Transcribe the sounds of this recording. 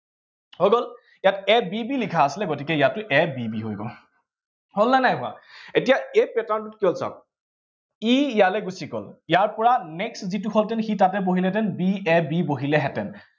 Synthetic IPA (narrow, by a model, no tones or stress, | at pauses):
hojɡɔl | jatɛbibilikʰaːsilɛɡotikɛjatːʊʔɛbibiɦojɡɔ̰ | hɔlːanajɦʊa̰etijaepɛtantutkiɔlsa̰ | ijalɛɡusikɔ̰lijaɹpɔɹanɛkszituxɔltɛnxitatɛboɦilɛtɛnbiɛbiboɦilɛɦɛtɛn